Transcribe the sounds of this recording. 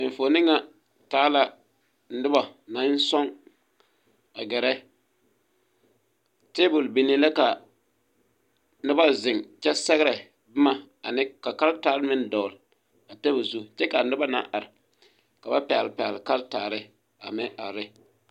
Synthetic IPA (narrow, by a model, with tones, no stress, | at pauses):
ɪ˨fo˨˦nɪ˦ŋa˦ | taː˦la˦ | ɪ˦ba˨na˨˦n˦sɔ˦ŋ | a˨ɡɛ˨ɾɛ˦ | te˦bʊ˨lbi˨ne˨la˦ka˨ | nʊ˦ba˦zɪ˨ŋt͡ʃɛ˦sɛ˦ɣɾɛ˨ | bɪ˦ma˨ | a˨nɪ˦ka˨ka˦ltaː˨˦lmɪ˦n˦dɔ˨l | a˨tɛ˦bo˨zu˦t͡ʃɛ˦ka˨nʊ˦ba˦na̰˨˦ʔa˨ɾɪ˨ | ka˨ba˦pɛ˨a̰˨lpɛ˨a˨lka˦ltaː˨ɾɪ˦ | a̰˨mɛ˦ʔa̰˨ɾɪ˦